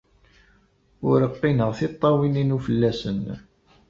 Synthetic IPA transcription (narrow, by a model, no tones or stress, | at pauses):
ʊɾəqːinəʁθit̪ˤːɑwininufəlːæsən